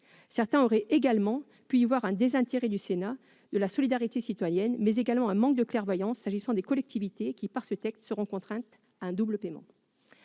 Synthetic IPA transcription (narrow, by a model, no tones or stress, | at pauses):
sɛʁt̪ɛ̃ɔʁɛʔeɡalmɑ̃ | pyivwaʁɛ̃d̪ezɛ̃t̪eʁɛd̪ysena | d̪əlasɔlid̪aʁit̪esit̪wajɛnmɛzeɡalmɑ̃ɛ̃mɑ̃kd̪əklɛʁvwajɑ̃sːaʒisɑ̃d̪ekɔlɛk̚t̪ʰivit̪ekʲipaʁsət̪ɛkst̪səʁɔ̃kɔ̃t̪χɛ̃t̪ | aɛ̃d̪ubləpemɑ̰̃